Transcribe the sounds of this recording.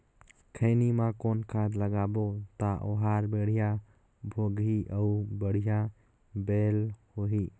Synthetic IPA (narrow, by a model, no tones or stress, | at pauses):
kʰənimãkoːnkʰaːd̪ləɡaːbot̪aʔo̰ɦaɾbeɽ̤ija | bʱoɡɦiʔəubəɽ̤ija | beːlhoːɦiː